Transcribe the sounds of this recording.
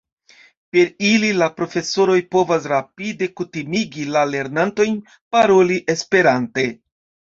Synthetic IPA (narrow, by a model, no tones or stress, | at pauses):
pe̞ɾililapɾo̞fe̞so̞ɾo̞jpo̞vas̬ɾapide̞kutimiɡilale̞ɾnanto̞jn | paɾo̞liʔe̞spe̞ɾante̞